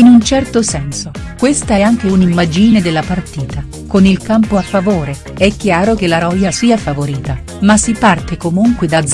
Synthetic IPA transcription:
inunt͡ʃɛrt̪osɛnso | kwest̪aɛaŋk̟eunimːad͡ʒined̪elːapart̪iːt̪a | konilkampoafːavoːɾe | ɛkːjaːɾok̟elaɾɔjasiːafavoɾiːt̪a | masipart̪ekomuŋkwed̪ad̪

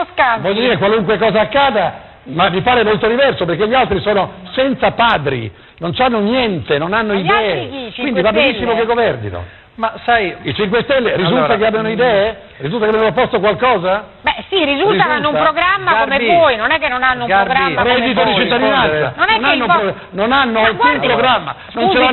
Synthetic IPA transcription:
skavɔʎːod̪iːɾekwaluŋkwekɔːzaːkːaːd̪a | mamːipaːɾemolt̪od̪ivɛrsopeɾrkeʎːialt̪ɾisoːnosɛnt̪sapaːd̪ɾḭ | nont͡ʃanːonjɛnt̪enonanːoid̪ɛːeikwind̪ivabenisːimokeɡovɛrd̪ḭno̰ | masajit͡ʃiŋk̬west̪ɛlːeɾizult̪ak̬eabjanoid̪ɛːe | rizult̪akeabjanoopːɔst̪okwalkɔːzabɛsiɾizulrizt̪aulnːoumpɾoɡɾamːakomeɔjnonɛkːenːonanːouaɡaɾɛd̪it̪̬od̪it͡ʃit̪ːad̪inanssanonɛonanːo | nonanːoalkumppɾoɡɾamːa̰ | nõnt͡ʃea

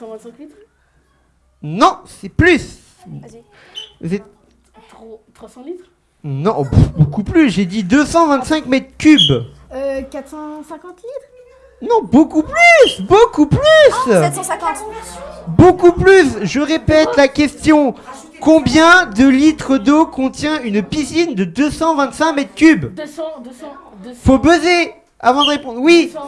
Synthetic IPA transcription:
sɑ̃vɛ̃sɛ̃klit̪ | nɔ̃sɛplys | vuzɛt̪ | t̪wãlit̪ | nɔ̃bbokuplysʒed̪id̪øsɑ̃vɛ̃t̪sɛ̃kmɛt̪χkʲyb | økat̪sɑ̃sɛ̃kɑ̃t̪lit̪χ | nɔ̃bokuplysbokuplyskɑ̃t̪ | bokuplysʒəʁepɛt̪lakʲɛst̪jɔ̃ | kɔ̃bjɛ̃d̪əlit̪χəd̪okɔ̃t̪jɛ̃ynpisind̪əd̪øsɑ̃vɛ̃t̪sɛ̃kmɛt̪χkʲyb | fobøze | avɑ̃d̪əʁepɔ̃d̪wi

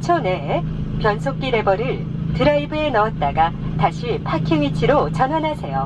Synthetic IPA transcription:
t͡ɕʰone | pjʌnsʰok̚k͈iɾe̞bʌɾɯɭ | tɯɾaibɯe̞nʌːt̚t͈aɡataɕʰipʰakʰiŋit͡ɕʰiɾot͡ɕʌnɦwanɦasʰe̞jo

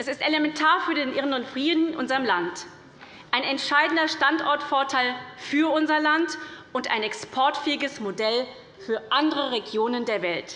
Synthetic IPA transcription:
ʔɛsɪstʔelemɛntʰaːɐfyːɐdeːnʔɪʁənʊntfʁ̥iːdn̩ɪnʔʊ̰nzɐʁəmlant | ʔaɪnɛntʃaɪdn̩dɐʃtantʔɔɐtfɔɐtʰaɪlfyːɐʔʊnzɐlantʔʊnta̰ɪnɛkspʰɔɐtfɛːɪɡəsmodɛl | fyːɐʔandəʁəʁeɡjoːnəndeːɐvɛlt

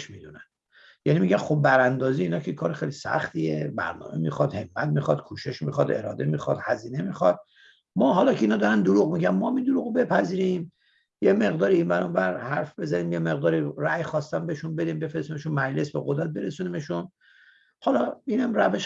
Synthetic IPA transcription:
ʃmiːd̪unæn | jænimiɟænxobbæɾænd̪ɒːziːiːnɒːcʰekʰɒːɾexejlisæ̰χt̪iebæ̰ɾnɒ̰ːmemḭxɒd̪he̞mːæt̪̚mixɒd̪̥kʰuːʃe̞ʃmiχɒd̪e̞̰ɾɒ̰ːd̪e̞miːxɒd̪̥hæziːne̞mixɒd̪̚ | mɒːɦɒːlɒːkcʰeiːnɒːd̪ɒɾænd̪oɾuːɣmiɟænmɒhæmind̪oɾuɣbe̞pʰæziːɾim | jeme̞ɣd̪ɒːɾiːnbænombæɾhæɾfbe̞zæniːmjemeɣd̪ɒːɾiræjxɒːst̪æmbeʃunbe̞d̪imbe̞fɾesimeʃunmæd͡ʒle̞sbeɣod̪ɾæt̪̚be̞ɾesunimeʃun | hɒːlɒiːnæmræveʃ

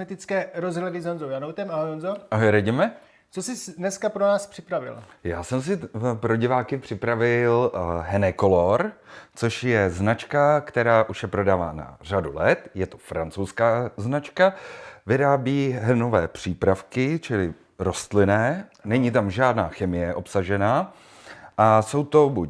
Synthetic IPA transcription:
ɛt̪ɪt͡skɛːɾozɦlɛdɪzonzowjanowt̪ɛmaɦojonzoʔaɦojɾaɟɪmɛ | t͡sosɪsdnɛskapɾonaːspr̥ɪpɾavɪ̰ljaːsɛms̬ɪpɾo̞ɟɪvaːkɪpr̥ɪpɾavɪlɦɛnɛko̞lo̞ɾt͡so̞ʃjɛznat͡ʃkakt̪ɛɾaːʔuʃjɛpɾo̞daːva̰ːna̰radulɛt̪jɛt̪ofɾa̰nt͡sowskaːznat͡ʃkavɪɾaːbiːɦɛnovɛːpr̝̥iːpɾafkɪt͡ʃɪlɪ | ɾo̞st̪lɪnɛːnɛɲit̪amʒaːdnaːxɛmɪjɛʔo̞psaʒɛnaː | ʔaso̞wt̪o̞bu

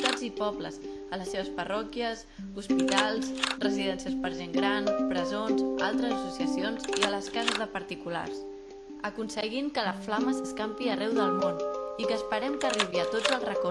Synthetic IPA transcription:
t̪ad͡zipɔbləz | ələsːeβəspərɔkiəs | uspit̪alˠsrəziðɛnsiəspəɾʒeŋɡɾanpɾəzonza̰lˠt̪ɾəzəsusiəsionziələskazəzðəpəɾt̪ikula̰rs | əkunsəɣimkələsflaməzəskampiərɛwðəlˠmonikəːspəɾɛmkəriβiət̪od͡zəlˠzrəkɔ

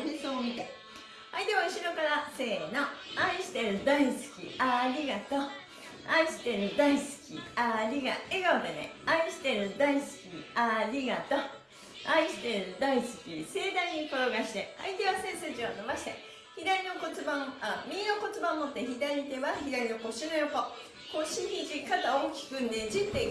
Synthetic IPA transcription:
ɾʲisoːmʲit̪e | ait̪e̞βaɯ̟ɕiɾo̞kaɾase̞ːno̞aĩɕi̥t̪e̞ɾɯ̟d̪aisɨ̥kʲḭaɾʲiɡat̪o̞ | aiɕi̥t̪e̞ɾɯ̟d̪aisɨ̥kʲḭaɾʲiɡaeɡaɯd̪enḛaiɕi̥t̪e̞ɾɯ̟d̪aisɨ̥kʲiaɾʲiɡat̪o̞ | aiɕi̥t̪e̞ɾɯ̟d̪aisɨ̥kʲise̞ːd̪aiɲ̟ːikoɾoɡaɕi̥t̪ea̰it̪e̞βasẽ̞ɰ̃sed͡ʑionobaɕi̥t̪ḛ | çid̪aɾʲino̞ko̞t͡sɨbãmamʲĩnoko̞t͡sɨbãmot̪ːeçid̪aɾit̪e̞βaçid̪aɾʲinoko̞ɕinojoko | ko̞ɕihʲid͡ʑikat̪aoːkʲi̥kɯ̟̃nd̪ed͡ʑit̪e

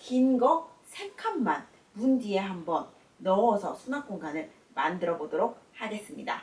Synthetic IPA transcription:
kinɡʌsʰe̞kʰamːan | mund͡ʑie̞ɦambʌnː | ʌʌsʰʌsʰunak͈oŋɡanɯɭ | mandɯɾʌbodoɾok̚haɡe̞s͈ɯmɲida̰

